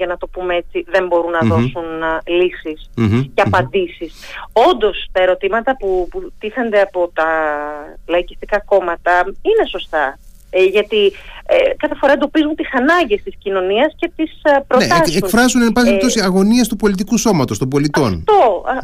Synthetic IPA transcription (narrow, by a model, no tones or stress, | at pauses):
ʝɐnɐt̪o̞pumee̞t͡siðe̞mbo̞ɾunːɐðo̞sunlisisceɐpɐnd̪isiso̞nd̪o̞st̪ɐe̞ɾo̞t̪imɐt̪ɐput̪iθɐnd̪e̞ɐpo̞t̪ɐ | lɐicist̪ikɐko̞mɐt̪ɐine̞so̞st̪ɐ | ʝɐt̪iekɐθe̞foɾɐed̪o̞pizunt̪isɐnɐɲɟe̞st̪iscino̞niɐsce̞t̪ispɾonetseukfɾɐzunenpɐsnept̪osiɐɣo̞niest̪upo̞lit̪̬ikuso̞mɐt̪o̞st̪obo̞lit̪ɐo̞nt̪oɐ